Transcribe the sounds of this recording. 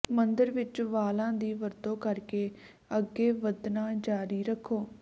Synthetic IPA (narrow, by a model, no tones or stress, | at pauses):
mənd̪əɾʋɪt͡ʃʋaːlãːd̪iːʋəɾd̪õːkəɾkeː | əɡːeːʋəd̪naːd͡ʒaːɾiːɾəkʰːoː